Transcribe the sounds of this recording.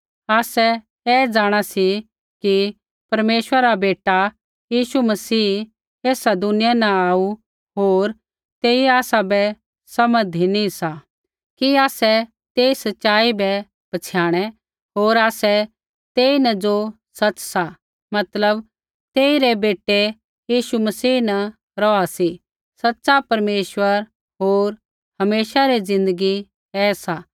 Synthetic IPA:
aːsɛ | ɛd͡ʒaːɽ̃asi | ki | pɐɾmeːʃəaɾabeːʈa | jiːʃumɐsiː | eːsad̪ʊnɪjanaaːu | ɦoːɾ | t̪eːiaːsabɛ | sɐməd̪ʱinĩsa | kiaːsɛ | t̪eːisɐtːʃaːibɛ | pɐt͡ʃʰjaːɽ̃ɛ | ɦoːɾaːsɛ | t̪eːinɐd͡ʒo | sɐt͡ʃsa | mɐt̪ləb | t̪eːiɾɛbeːʈe | jiːʃumɐsiːnɐ | ɾɔasi | sɐtːsapɐɾmeːʃʋəɾ | ɦoːɾ | hɐmeːʃaɾid͡zɪ̃nd̪əɡi | ɛːsa

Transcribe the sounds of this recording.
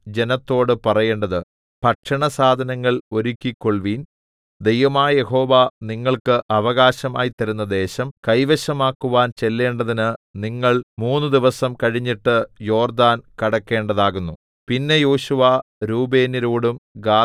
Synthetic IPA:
d͡ʑe̞nɐt̪ːo̞ːɽɨpɐrɐje̞ːɳɖɐðɨ | pɐʈʂɐɳɐsaːd̪ʱɐnɐŋːɐɭo̞ɾukʲːikːo̞ɭʋiːn | d̪ejʋɐmaːjɐje̞ho̞ːʋaniŋːɐɭkɨʔɐʋɐɣaːɕɐma̰ːjit̪ːɐɾunːɐd̪e̞ːɕɐmkɐjʋɐɕɐmaːkːuʋaːnt͡ɕe̞lːe̞ːɳɖɐðinɨniŋːɐɭmuːnːɨd̪iʋɐsɐmkɐɻiɲːiʈːɨjo̞ːrd̪aːnkɐɽɐkːe̞ːɳɖɐðaːɣunːu | pinːe̞jo̞ːɕuʋaɾuːbeːniɾoːɽumɡaː

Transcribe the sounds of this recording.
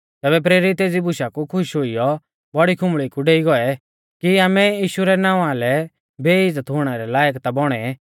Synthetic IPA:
t̪ɛːbɛp̬ɾeːɾit̪ːeːd͡zibʊʃakukʰʊʃɦoijɔ | bɔɽikʰʊ̃mɭikuɖeːiɡɔɛ | kiaːmɛjiːʃuɾɛnaːũãlɛ | beːɪd͡zət̪ɦʊːɽ̃ɛɾɛlaːjəkt̪abɔɽ̃ɛ

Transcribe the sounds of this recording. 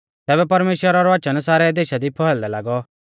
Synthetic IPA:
t̪ɛːβɛpɐɾmeːʃwəɾaɾɔʋat͡ʃənsaːɾɛd̪eːʃad̪ipʰɔɦɛld̪ɛla̰ːɡɔ

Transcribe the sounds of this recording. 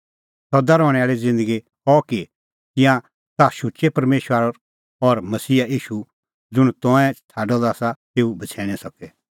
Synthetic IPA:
sɔd̪aɾɔːɽ̃ɛaːɭid͡zɪ̃nd̪əɡi | ɔki | t̪ɪ̃jã | t̪aʃut͡ʃepɐɾmeːʃwaːɾɔɾ | ɔɾmɐsiːaiːʃu | d͡zʊɽ̃t̪ɔ̃ɛ̃t͡sʰaːɖɔd̪aːsat̪eːubʱɐt͡sʰɛːɽ̃ɛ̃sɐkɛ

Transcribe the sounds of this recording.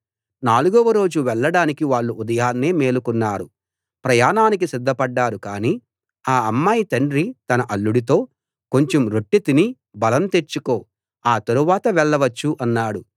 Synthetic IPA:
naːluɡɔʋɐɾo̞ːd͡ʒuʋɛɭːɐɽaːnikiʋaːɭːuʔud̪ɐjaːnːeːme̞ːlukunːaːɾu | pɾɐjaːnaːnik̬isid̪ʱːɐpɐɖːaːɾukaːniː | aːɐmːaːjit̪ɐɳɖɾit̪ɐnɐʔɐɭːuɽit̪o̞ː | ko̞ɲt͡ʃemɾo̞ʈːit̪ini | bɐlɐmt̪e̞ɾt͡ʃːuko̞ː | aːt̪ɐɾuʋaːt̪ɐʋɛɭːɐʋɐt͡ʃːuʔɐnːaːɽu

